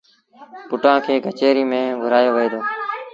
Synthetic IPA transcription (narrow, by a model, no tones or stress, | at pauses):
pʊʈãːkʰeːɡʱət͡ʃeːɾiːmẽːɡʱʊɾaːjoːʋəeːd̪oː